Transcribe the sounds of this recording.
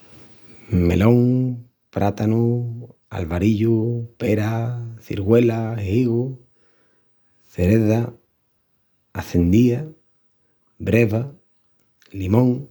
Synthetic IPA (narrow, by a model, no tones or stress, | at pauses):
mḛlõŋ | pɾʔat̪anu | a̰lβaɾiʎupeɾaθḭɾɣwelahiɣu | θeɾeða | θend̪ia | bɾeβa | limõŋ